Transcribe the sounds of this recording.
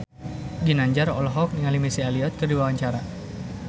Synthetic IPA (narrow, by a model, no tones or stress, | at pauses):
ɡinaɲd͡ʒarɔ̰lɦɔk̚niŋalimisialiɔt̪̚kərdiwawaɲt͡ʃaɾa